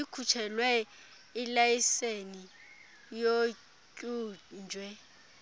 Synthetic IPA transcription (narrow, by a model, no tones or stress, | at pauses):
ikʰut͡ʃʰɛlwɛ | ilajiseni | jo | kʼuːnd͡ʒʱwɛ